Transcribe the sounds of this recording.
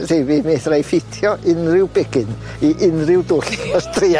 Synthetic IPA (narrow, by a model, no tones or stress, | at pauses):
revimeːθrajfɪtʰjɔʔɪnrɪwbɛɡɪn | iʔɪnrɪwdʊɬɔstria